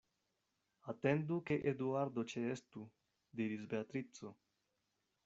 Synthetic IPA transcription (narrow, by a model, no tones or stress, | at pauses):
at̪end̪ukeʔed̪uaɾd̪ot͡ʃeest̪u | d̪iɾisbeat̪ɾit̪so